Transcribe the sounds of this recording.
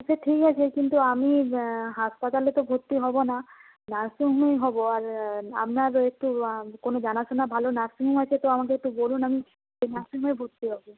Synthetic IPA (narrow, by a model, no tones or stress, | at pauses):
aseʈʰikɦat͡ʃʰekint̪uamiɦaspat̪alet̪ɔbʱut̪ːiɦɔbɔna | naɾsiɦmejɦɔbɔaɾa̰mnaɾek̚ʈukonod͡ʒanasʰɔnabʱalonaɾsiɦumat͡ʃʰet̪ɔamakeek̚ʈubolunami | d͡ʒenaɾsiɦebʱut̪ːiɦɔbu